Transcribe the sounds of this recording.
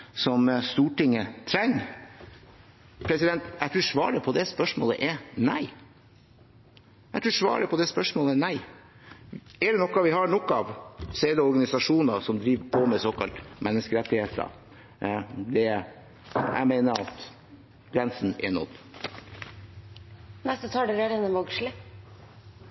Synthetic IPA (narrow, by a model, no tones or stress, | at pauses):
sɔmst̪uːʈɪŋːət̪ʰɾɛŋː | pʰɾɛsɪd̪ɛnt̪æɪt̪ʰɾʉːʂʋɑ̰ːɾəpʰɔd̪ɛspœʂmo̰ːlə̰ʔɛnæɪ | æt̪ʰɾʉːʂʋɑ̰ːɾəpʰɔd̪ɛspœʂmoːlənæɪ | ɛɖɛnɔkːɑʋɪhɑɳɔkːɑɑʋseːd̪əɔɾɡɑnɪsɑʂuːnɑsɔmd̪ɾiːʋpʰɔmɛsoːkɑlt̪mɛnːəskəɾɛt̪ːɪheːt̪ə̰ | d̪ɛ | æ̰ɪmeːnəɑ̰t̪ | ɡɾɛnsn̩ɛ̰ɳɔ̰d̪ | nɛst̪ət̪ʰɑːɖ̪əɾeːɾənəʋɑɡʂlə